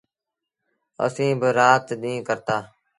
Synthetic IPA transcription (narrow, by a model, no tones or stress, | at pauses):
ə̰sĩːbəɾaːt̪ɗ̪ĩːkəɾt̪aː